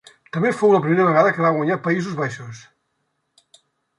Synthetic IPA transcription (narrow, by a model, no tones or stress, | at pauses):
t̪əmefowləp̬ɾimeɾəβəɣaðəkəβaɣwəɲapəizuzβaʃus